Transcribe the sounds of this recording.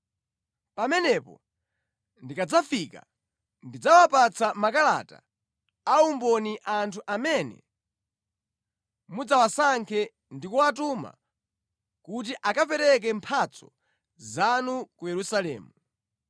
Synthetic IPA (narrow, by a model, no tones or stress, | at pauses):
pamɛnɛpɔ̰ | ndikad͡zafika̰ | ndid͡zawapat͡sʰamakala̰ta̰ː | umbɔniʔantʰuʔamɛnɛ̰ | mud͡zawasaŋkʰɛ | ndikuatuma̰ | kut̬iʔakapɛɾɛk̬ɛmpʰat͡sʰɔ | zanukujɛɾusalɛ̰ːmu